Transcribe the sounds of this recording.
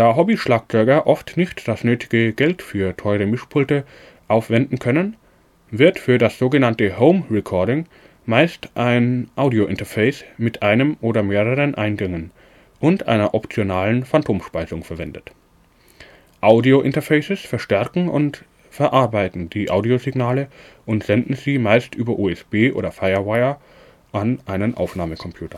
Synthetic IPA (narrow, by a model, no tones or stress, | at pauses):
d̥eaːɐɦɔbiʃlaːk̚t͡sɔʏɡɐʔɔftnɪçtd̥asnøːtʰɪ̥ɡ̥əɡɛltfyːɐtʰɔʏʁəmɪʃpʰʊltə | ʔaʊfv̥ɛndn̩kʰœnən | vɪɐtfyːɐdasz̥oːɡənantəhoʊmʁɛkʰɔɐɾɪŋ | maɪstʔaɪnʔaʊdioʔɪntɐfɛɪsmɪtʔaɪnəmʔoːɾɐmeːʁəʁ̞ənʔa̰ɪnɡɛŋən | ʔʊntʔa̰ɪnɐʔɔpt͡sjonaːlənfantʰoːmʃpaɪzʊŋfɛɐvɛndət | ʔaʊdioʔɪntɐfɛɪsəsfɛɐʃtɛɐkŋ̩ʔʊ̰nt | fɛɐʔaɐbaɪtn̩diːʔaʊdiozɪɡnaːləʔʊntz̥ɛndn̩ziːmaɪstʔyːbɐʔuːɛsb̥eːʔo̰ːdɐfaɪɐwaɪɐ | ʔanʔaɪnənʔa̰ʊfnaːməkʰɔmpʰj̥uːtɐ